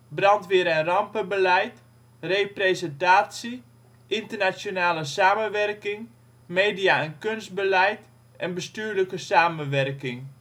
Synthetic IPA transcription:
brɑntʋɪɾɛnrɑmpəbəlɛjt | represɛntaːsi | ʔɪntərnat͡sjonaːləsaːmənʋɛrkɪŋ | meːdijaɛnkønst̚bəlɛjt | ʔɛnbəstyːɹləkəsaːmənʋɛrkɪŋ

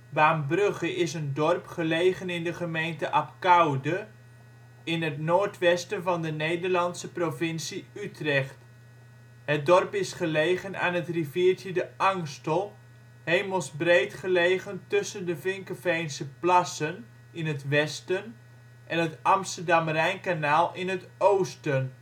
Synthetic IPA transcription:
ʋaːmbrøχəʔɪsəndɔrpχəlejχənɪndəχəmejntəʔɑpkawdə | ɪnətnoːɹtʋɛstənvɑndənejdəɹlɑnsəprovɪnsiytrɛχt | hət̚dɔrpɪsχəlejχəna̰ːnɦətriviːɹtədəʔɑŋstəlˠ | hejməlˠsbrejtχəleːɣəntɵsəndəfɪŋkəfejnsəplɑsən | ɪnətʋɛstən | ʔɛnətʔɑmstəɹdɑmrɛjnkanaːlˠɪnɦət | oːwstən

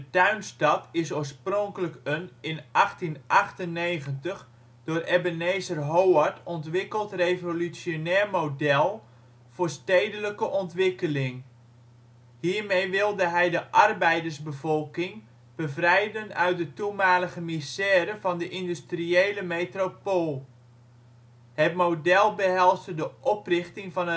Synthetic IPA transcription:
dətœɥnstɑtɪsoːɹsprɔŋkələkənɪnʔɑχtinʔɑχtənːeːɣəntəχ | d̥ʊːrʔɛbəneːzərɦowətʰɔntʋɪkəlˠtrevolyt͡sjonɛːɹmodɛlˠ | v̥ʊːɹsteːdələkəʔɔntʋɪkəlɪŋ | hiːɹmejʋɪlˠdəɦɛjdəʔɑrbɛjdərsbəvɔlˠkɪŋ | b̥əvrɛjdənœ̰ɥt̚dətumaːləɣəmisɛːɾəvɑndəʔɪndystriejləmetropoːlˠ | hətmodɛlˠbəɦɛlˠstədəʔɔprɪχtɪŋvɑnə

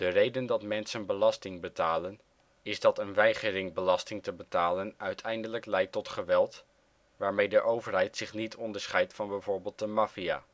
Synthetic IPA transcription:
d̥ərejdəndɑtmɛnsənbəlɑstɪŋbətaːlən | ɪzdɑtənʋɛjχərɪŋbəlɑstɪŋtəbətaːlənœɥtʰɛjndələklɛjtːɔtχəʋɛlˠt | ʋaːɹmejdəʔowvəɹɦɛjtsɪχnitʰɔndəɹsχɛjtfɑnbɛjvʊːɹbeːlˠt̚dəmaːfia̰ː

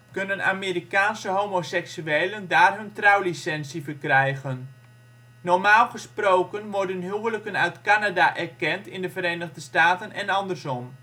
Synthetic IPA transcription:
kɵnəna̰ːmiːrikaːnsəɦowmosɛksyejləndaːrɦɵntrɑwlisɛnsivərkrɛjɣənː | ɔɹmaːlˠχəsprowkənʋɔrdənɦyʋələkənœɥtkanadaʔɛrkɛntɪndəvəɾejnəɣdəstaːtənɛnɑndərsɔm

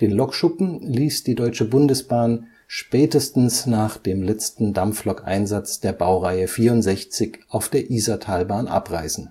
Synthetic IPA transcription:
d̥eːnlɔkʃʊpm̩liːsd̥iːdɔʏt͡ʃəbʊndəsb̥aːn | ʃpɛːtəstn̩snaːχd̥eːmlɛt͡stn̩damflɔkʔa̰ɪnzat͡sd̥eːɐbaʊʁaɪəfiːɐʊntz̥ɛçt͡sɪçʔaʊfd̥eːɐʔiːzatʰaːlbaːnʔa̰pʁa̰ɪsn̩

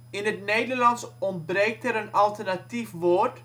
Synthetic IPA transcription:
ɪnətnejdərlɑnsɔnt̚brek̚təɾənɑlˠtərnatifʋort

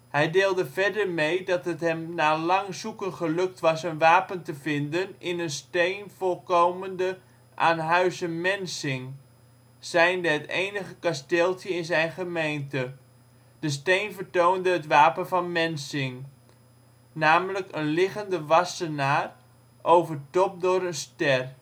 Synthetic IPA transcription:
hɛjdɪːlˠdəvɛɹdəɹmejdɑtɦətɦɛmnaːlɑŋzukənχəlɵk̚tʋɑsənʋaːpəntəvɪndənɪnənstejnv̥ɔlˠkowməndə | ʔa̰ːnɦœɥzənmɛnsɪŋ | sɛjndəətḛjnəχəkastɪːlˠtjəɪnzɛjnχəmejntə | d̥əs̬tejnvəɹtowndəɦətʋaːpənvɑnmɛnsɪŋ | naːmələkənlɪχəndəʋɑsənaːr | ʔowvərtɔp̚dʊɾənstɛr

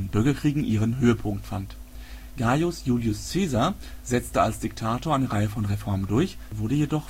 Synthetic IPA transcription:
nbʏɐɡɐkʁ̥iːɡŋ̩ʔiːʁənɦøːəpʰʊŋktfant | ɡ̥ajʊsjuːljʊst͡seːzɐ | zɛt͡stəalsd̥ɪktʰaːtoːɐaɪnəʁaɪəfɔnʁefɔɐməndʊɐç | vʊɐɾəjedɔχ

